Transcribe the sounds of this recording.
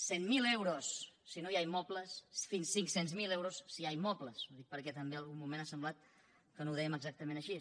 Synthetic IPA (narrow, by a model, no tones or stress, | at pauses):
semmilewɾosːinojajmɔpləsfinsiŋksenzmilewɾosːiajmɔpləsoðik̚pəɾkɛt̪əmbealˠɣummumẽnasəmblat̪̚ | kənowðɛjəməɡzak̚t̪əmẽnəʃi